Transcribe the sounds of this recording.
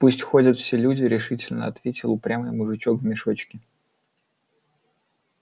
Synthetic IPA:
pusʲtʲxo̞dʲət̪fsʲelʲudʲɪɾʲɪʂɨtʲɪlʲnə̰ɐt̪vʲetʲɪlˠʊpɾʲamɨjmʊʐɨt͡ɕokvmʲɪʂo̞t͡ɕkʲɪ

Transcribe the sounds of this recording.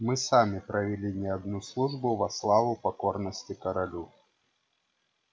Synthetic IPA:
mɨsamʲɪpɾʔɐvʲɪlʲinʲɪɐd̪nuslˠuʐbʊvɐslˠavʊpɐko̞rnəsʲtʲɪkɐɾɐlʲu

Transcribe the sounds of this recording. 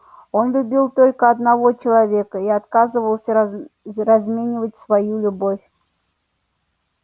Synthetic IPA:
o̞nlʲʊbʲilˠt̪o̞lʲkəɐd̪nɐvot͡ɕɪlˠɐvʲe̞kəiɐt̪kazɨvəlˠsʲərɐzmʲenʲɪvətʲsvɐjulʲʊbofʲ

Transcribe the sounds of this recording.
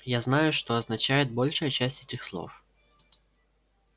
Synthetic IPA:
jaznɑjʊʃt̪ɔːznɐt͡ʃajɛd̪̚ʲbɔlʲʂɔjɐt͡ʃasʲtʲi̥t̪ixslˠɔ̰w

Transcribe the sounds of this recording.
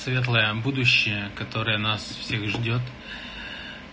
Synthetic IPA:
svʲe̞t̪lˠəjəbud̪ʊɕːɪjəkɐt̪o̞ɾəjənasfsʲexʐdʲo̞t̪

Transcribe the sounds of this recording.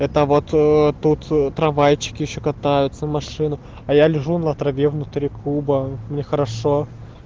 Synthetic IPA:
ɛt̪əvo̞t̪t̪ːut̪ːɾɐvajt͡ɕːɪ̥kʲɪjɪɕːokɐt̪ajʊt̪sənmɐʂɨnʊ | ɐjalʲɪʐunəɐt̪ɾɐvʲevnʊt̪ɾʲikʰubəmnʲexəɾɐʂo

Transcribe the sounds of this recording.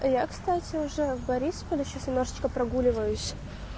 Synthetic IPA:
jakst̪atʲɪʊʐɛbɐɾʲispəlʲɪɕasnʲɪmnoʐɨt͡ɕkəpɾɐɡulʲɪvəjʊsʲ

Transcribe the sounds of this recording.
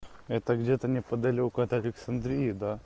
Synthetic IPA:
ɛt̪əɡdʲet̪ənʲɪpəd̪ɐlʲiʊkɐt̪əlʲɪksɐnd̪ɾʲijɪd̪a

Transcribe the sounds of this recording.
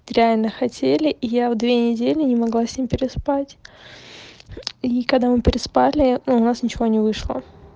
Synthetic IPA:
ɾʲɪalʲnəxɐtʲelʲɪʔijavd̪vʲenʲɪdʲelʲɪnʲɪmɐɡlˠasʲnʲimʲpʲɪɾʲɪspatʲ | ikɐɡd̪amɨpʲɪɾʲɪspalʲɪnuʊnasnʲɪt͡ɕɪvo̞nʲɪvɨʂlˠə̰

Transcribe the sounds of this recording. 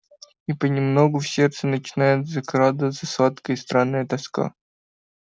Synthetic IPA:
ipənʲɪmnoɡʊfsʲert̪sɨnət͡ɕɪnajɪt̪zɐkɾad̪ɨvət̪səsvat̪kəjst̪ɾanːəjət̪ɐska̰

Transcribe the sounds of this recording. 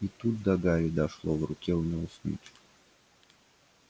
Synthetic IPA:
it̪ut̪̚d̪ɐɡaɾʲɪd̪ɐʂlˠɔvrʊkʲɛnʲɛʊsʲnʲḭtʲ

